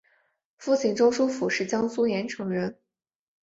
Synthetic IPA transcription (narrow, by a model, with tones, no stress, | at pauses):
fu˥˩t͡ɕʰi˥˩ŋʈ͡ʂo˥ŋʂu˥fu˨˩ʂɻ̩˥˩t͡ɕjɑ˥ŋsu˥jɛ˧˥nʈ͡ʂʰɤ˧˥ŋɻə˧˥n